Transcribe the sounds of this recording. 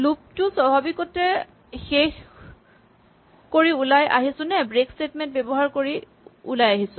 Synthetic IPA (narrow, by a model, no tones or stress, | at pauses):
lup̚tʊsɔbabikɔtɛ | xex | koɹiulajʔa̰ɦisʊ̃nɛbɹekstetmɛ̃nt̚bebɔɦaɹkoɹi | ṵlajaɦisʊ̃